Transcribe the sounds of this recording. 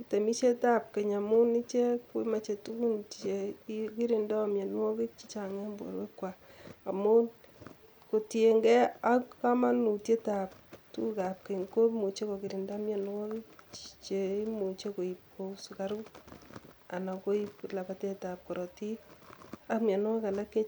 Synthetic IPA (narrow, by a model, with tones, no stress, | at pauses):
ki˦te˨mi˦t͡ʃe˦ta˦p̚ke˨ɲa˨mu˦ni˦t͡ʃe˦ku˦ma˨t͡ʃe˨tu˦ku˦ne˨ki˦ɾi˨ndo˦mje˨n˦wɔ˦ki˦t͡ʃi̥˦t͡ʃa˨ŋɛ˦mbo̰˨ɾwe˦kwa˨a˨mu˦n | ko˨te˨ŋɡɛ˦a˦ka˦ma˦nu˨tje˦ta˨p̚tu˦ka˨p̚ke˨ŋko˦mu˨t͡ʃe˦ko˨ki˨ɾi˨nda˦mja˨n˦wɔ˦kɪ˦t͡ʃt͡ʃe˨i˦mu˨t͡ʃe˦ko˨i˨p̚ko˨su˨ka˦ɾu˦ | a˨na˨ko˦ipla˨pa˦te˦ta˨p̚ko˨ɾo˨ti˦ | a˦kmja˨n˦wa˦ka˨la˦ke˦